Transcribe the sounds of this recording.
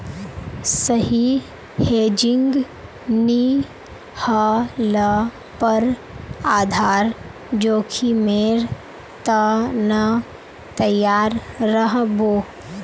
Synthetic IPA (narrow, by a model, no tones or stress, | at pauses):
səɦi | heːd͡ʒɪ̃ŋɡ | ni | hələ | pəɾ | aːd̪ʱaːɾ | d͡ʒoːkʰimeːɾ | t̪ənɐ | t̪əjːaːɾːəɦboː